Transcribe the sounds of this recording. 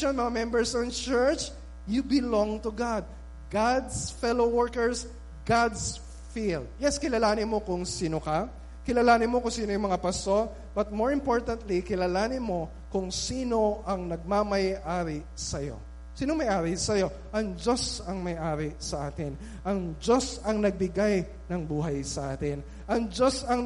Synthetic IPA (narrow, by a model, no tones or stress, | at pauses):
ɐnmɐŋamɛmbɛɹsɔnt͡ʃɛɹt͡ʃ | jubɪlõŋt̪ʊɡad̪̚ | ɡad̪sfɛlowɔɹkɛɹs | ɡad̪s | fild̪̚jɛskɪlɐlaːnɪnmo̞kʊŋsiːnokɐ | kɪlɐlaːnɪnmokʊŋsiːnojʊŋmɐŋapɐso̞ | b̥ɐt̪̚mo̞ɹɪmpoɹt̪ɐnt̪likɪlalaːnɪnmo̞ | kʊŋsiːno̞ʔɐŋnɐɡ̚mamɐjʔaːɾɪ | sɐjo̞̰ | siːnoŋmɐjʔaːɾɪsɐjo̞ | ʔɐŋd͡ʒo̞sɐŋmɐjʔaːɾɪsɐʔaːt̪ɪn | ʔɐŋd͡ʒo̞sɐŋnɐɡ̚bɪɡaj | nɐŋbuːɦɐjsɐʔaːt̪ɪn | ʔɐŋd͡ʒo̞sɐŋ